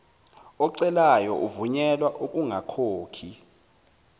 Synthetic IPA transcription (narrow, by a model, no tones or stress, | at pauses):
ɔǀɛlajɔ̰ʔuvuɲɛlwaʔukʼuŋakʰoːkʰi